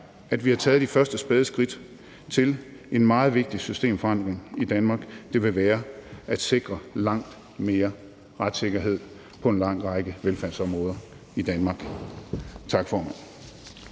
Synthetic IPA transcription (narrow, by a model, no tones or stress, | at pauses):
æd̥ʋihɑ̈t͡sʰɛːð̞̩ˠd̥ifɶɐsd̥əsb̥eːð̞ˠsɡ̥ʁid̥ | t͡sʰe̝l | e̝n̥mɑ̈ːð̩ˠʋe̝ɡ̥̚d̥isysd̥e̝̰ːmfɒɑ̈n̰d̥ʁeŋid̥ænmɑ̈ːɡ̥d̥e̝ʋe̝ʋæːɐæd̥se̝ɡ̥ʁɐlɑ̈ŋ̰d̥ | me̝ːɐ | ʁad̥se̝ɡ̥ɐɦe̝ð̞̰ˠ | pʰɒ̽e̝nlɑ̈ŋ̰ʁɑ̈ɪɡ̥əʋelfænsɒ̽mʁɔ̽ːð̞ˠɐ | id̥ænmɑ̈ːɡ̥ | t͡sʰɑ̈ɡ̥fɒːmæn̰